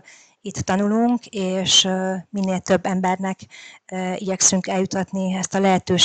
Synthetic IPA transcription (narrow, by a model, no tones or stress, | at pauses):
it̪ːɒnuluŋkeːʃminːeːlt̪ø̞bːɛmbɛrnɛk | iɟɛksyŋkɛljut̪ːɒt̪niɛst̪ɒlɛɦɛt̪øːʃ